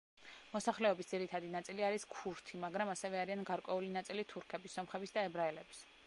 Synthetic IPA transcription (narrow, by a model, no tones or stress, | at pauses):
mɔsaχlɛɔbisd̪ziɾit̪ʰad̪inat̪sʼiliaɾiskʰuɾt̪ʰimaɡɾamasɛvɛaɾianɡaɾkʼwɛulinat̪sʼilit̪ʰuɾkʰɛbisːɔmχɛbisd̪aɛbɾaɛlɛbs